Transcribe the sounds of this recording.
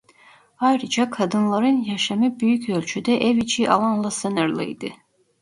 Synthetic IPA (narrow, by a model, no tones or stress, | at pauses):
ajɾɯd͡ʒakʰad̪ɯnlˠaɾɯnjaʃamɯbyjycølʲt͡ʃʰyd̪ɛʔɛvit͡ʃʰiʔalˠanlˠasɯnɯɾlˠɯ̰jd̪ɯ